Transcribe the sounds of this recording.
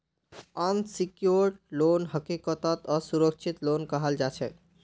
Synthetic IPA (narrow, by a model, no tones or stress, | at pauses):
ənsikjoɾɖlonɦəkikət̪ət̪əsuɾək̚t͡ʃʰit̪lonkəɦəld͡ʒat͡ʃʰɛ